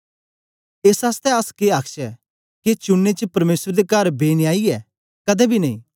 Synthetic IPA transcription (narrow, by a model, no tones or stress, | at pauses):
eːsaːst̪ɛɐskeaːkʃɛ | ket͡ʃʊnːet͡ʃəpɐɾmeːsɾd̪ekɐɾbeːnɪaːiɛ | kɐd̪ɛbʱinɐĩː